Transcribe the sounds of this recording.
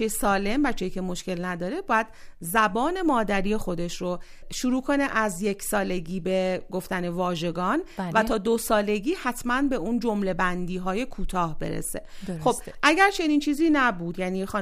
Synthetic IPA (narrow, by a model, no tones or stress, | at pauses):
esɒːle̞mbæt͡ʃʰːɛjicʰe̞moʃce̞lnæd̪ɒːɾe̞bɒːjæd̪̚zæbɒːne̞mɒːd̪æɾiːjexo̞d̪e̞ʃɾo | ʃuɾuːkʰo̞ne̞ʔæzjecʰsɒːle̞ɡiːbeɡo̞ft̪æne̞vɒːʒe̞ɡɒːnvæt̪ʰɒːd̪osɒːleɡiːhæt̪ʰmænbe̞ʔund͡ʒo̞mle̞bænd̪iːɦɒːje̞kʰuːt̪ʰɒːhbe̞̰ɾḛse̞̰xob̥ʔæɟæɾt͡ʃʰe̞niːnt͡ʃʰiːziːnæbuːd̪jæniːxɒ